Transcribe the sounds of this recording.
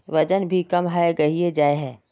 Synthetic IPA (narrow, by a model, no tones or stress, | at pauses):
ʋɐd͡ʒənbʱikɐmɦaːeɡɐɦied͡ʒaːeɦɛ̃ː